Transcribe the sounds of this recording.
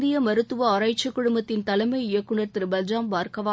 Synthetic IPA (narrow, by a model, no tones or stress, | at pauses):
d̪ɪjɐmɐɾɯt̪ːɯʋɐːɾɐɪt͡ʃːɐkːʊɽʊmbɐt̪ːɪnt̪ɐlɐmɐɪɪjɐkːɯɳɐɾt̪ɪɾbɐld͡ʒaːmbaːɾkɐʋa